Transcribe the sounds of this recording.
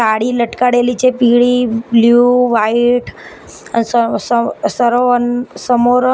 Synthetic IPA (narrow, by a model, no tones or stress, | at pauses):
aɽiləʈkaɽelit͡ɕepiɭibljuʋaiʈʰ | ansəsəsəɾoənsəmoɾ